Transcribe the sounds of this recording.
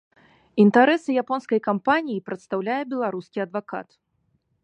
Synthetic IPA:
int̪aɾɛsɨjapɔnskɐjkampanʲijipɾɐt̪st̪awlʲajɛbʲɛlˠaɾuskʲiɐd̪vaka̰t̪

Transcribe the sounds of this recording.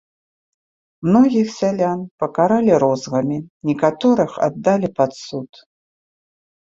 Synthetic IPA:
mnɔɣʲixsʲalʲanpɐkaɾalʲiɾɔzɣɐmʲinʲɛkat̪ɔɾɨxa̰d̪ːalʲipat̪sut̪

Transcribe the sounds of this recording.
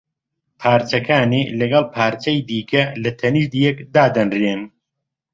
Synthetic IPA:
pʰaːɾt͡ʃɐkʰaːniːlɐɡɑlˠpʰaːɾt͡ʃɐjd̪iːkʰɐlɐt̪ʰɐniʃd̪ijɛkd̪aːd̪ɐnreːn

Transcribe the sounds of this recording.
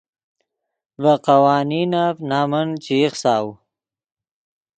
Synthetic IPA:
vaqawɑːninavnaːmənt͡ʃiχsɑːw

